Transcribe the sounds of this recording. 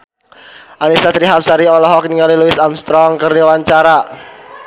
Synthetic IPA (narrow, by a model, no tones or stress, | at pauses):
ʔanisat̪ɾiɦap̚saɾiɔlɔɦɔkniŋaliluɪsamst̪ɾɔŋkəriwaɲt͡ʃaɾa